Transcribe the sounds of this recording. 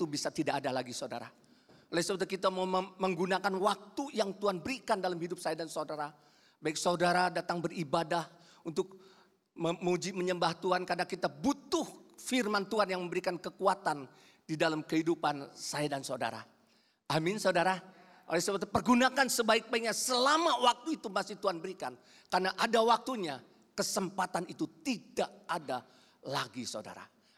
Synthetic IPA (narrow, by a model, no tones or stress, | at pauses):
t̪ubisat̪idaʔːdalaɡisawda̰ɾa̰ | olɛsəbat̪akit̪amauməməŋɡunakanwak̚t̪ujaŋt̪uanbəɾikandalamhidʊp̚sajadansaudaɾa | baɪksaudaɾadat̪aŋbəribadah | unt̪ʊk̚ | məməud͡ʒiməɲəmbaht̪uankadakit̪abut̪ʊhfirmant̪uanjaŋməmbəɾikankəkuat̪an | didalamkəhidupansajadansauda̰ɾa̰ | ʔamɪnsadaɾa | ʔolɛsəbpərɡunakansəbaɪk̚baik̚ɲasəlamawak̚t̪uit̪umasɪht̪uanbəɾikan | karnaʔadawak̚t̪uɲa | kəsəmpat̪anit̪ut̪idaʔada | laɡisauda̰ɾa̰